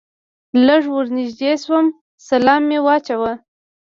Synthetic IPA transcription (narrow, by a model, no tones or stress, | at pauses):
ləʐwəɾnɪʒd̪eswəm | salɑmːewɑt͡ʃawa